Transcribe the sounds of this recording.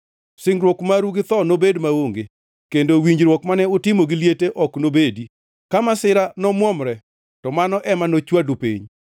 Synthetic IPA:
sɪŋɡɾwɔkmaɾuɡɪt̪ɔnobedmaoŋɡe | kendowiɲd͡ʒɾwɔkmanɛʊtɪmoɡɪljeteʔɔknobedi | kamasɪɾanɔmwɔmɾɛ | tɔmanɔʔɛmanot͡ʃwadupḭɲ

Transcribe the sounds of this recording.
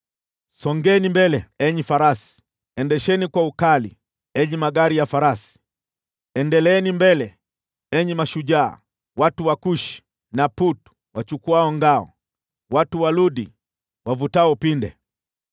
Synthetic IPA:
sɔŋɡɛnimbɛlɛɛɲifaɾasi̥ | ɛndɛʃɛnikwaukalḭ | ɛɲimaɡaɾijafaɾasi̥ | ɛndɛlɛnimbɛlɛ | ɛɲimaʃuʄa̰ː | watuwakuʃi̥ | naputu̥ | wat͡ʃukuaɔŋɡaɔ̰ | watuwaluɗi | wavutaɔpindɛ̰

